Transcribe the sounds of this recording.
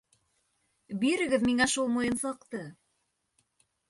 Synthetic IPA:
biɾɘ̆ɡɘðmiŋæʃulˠmŏjɤnsɑqt̪ɤ

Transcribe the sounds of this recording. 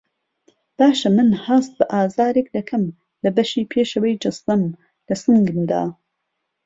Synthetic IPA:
b̥aːʃɐmɨnhaːst̪̚bɐʔaːzaːɾek̚d̪ɐkʰɐm | lɐbɐʃiːpʰeːʃɐwɐjd͡ʒɐst̪ɐm | lɐsɨŋɡɨnd̪a̰ː

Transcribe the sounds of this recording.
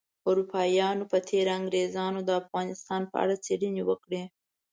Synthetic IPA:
ʊɾupɑjɑnopət̪ʰeɾaaŋɡɾezɑnod̪əafɣɑnɪst̪ɑnpə̰a̰ɽat͡seɽinewəkɽe

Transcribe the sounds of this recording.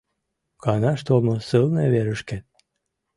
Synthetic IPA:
kɑnɑʃt̪olˠmosɨlˠneβeɾəʃke

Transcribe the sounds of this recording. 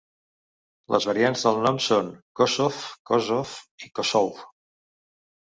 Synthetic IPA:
lʔə̰zβəɾianzðəlˠnɔmsonkosofkozofikosɔwf

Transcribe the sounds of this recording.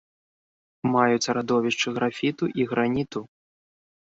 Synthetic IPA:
majut͡sʲɾad̪ɔvʲiʂt͡ʂɨɣɾafʲit̪uʔiɣɾanʲit̪u

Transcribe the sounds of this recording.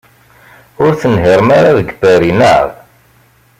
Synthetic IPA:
ʊɾθənɦiɾˤəmaɾaðəɡbæɾinə̰ð

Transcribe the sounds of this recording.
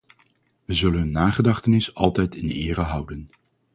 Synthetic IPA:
ʋəzɵlənɦɵnːaːχədɑχtənɪsɑ̰lˠtɛjtɪnɪːrəɦʌwdən

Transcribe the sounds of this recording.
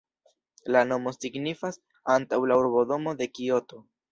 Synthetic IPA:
lano̞mo̞siɡnifas | antawlauɾbo̞do̞mo̞de̞kio̞to̞

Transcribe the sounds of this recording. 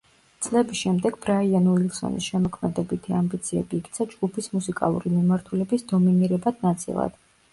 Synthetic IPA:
t̪sʼlɛbisʃɛmd̪ɛɡbɾaianuilˠsɔ̰nḭsʃɛmɔkʰmɛd̪ɛbit̪ʰiambit̪sʰiɛ̰biːk̚ʰt̪sʰad͡ʒɡupʰismusikʼa̰lˠṵɾimimaɾt̪ʰulɛbisd̪ɔminiɾɛbad̪̥nat̪sʼḭlˠa̰d̪̥

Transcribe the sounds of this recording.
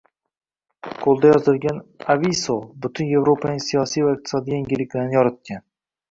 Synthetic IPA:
qʰolˠd̪ajɒzɪlɡʲanavisobʊt̪ʰʊnje̞vɾopʰanɪŋsijɒsijvaɪq̚t̪ʰɪ̥sɒd̪ijaŋʲɪlːɪkʲlanɪjɒɾat̪̚ʲan

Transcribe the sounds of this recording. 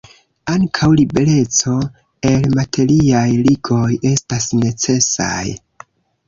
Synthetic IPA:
aŋkʰawlibe̞ɾe̞t͡so̞ | e̞lmatʰe̞ɾiajliɡo̞je̞stasne̞t͡se̞sa̰j

